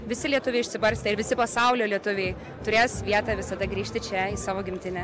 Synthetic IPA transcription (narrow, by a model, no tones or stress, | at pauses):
ʋʲɪsʲɪlʲiɛt̪ʊʋʲɛɪʃʲsʲɪbɐɾʲsʲt̪ʲɛɪɾʋʲɪsʲɪpɐsɐʊlʲoːlʲiɛt̪ʊʋʲɛɪ | t̪ʊɾʲeːsʋʲiɛt̪ɑːʋʲɪsɐd̪ɐɡɾʲiːʃʲt̪ʲɪt͡ʃʲɛiːsɑːʋoːɡʲɪmʲt̪ʲɪnʲɛ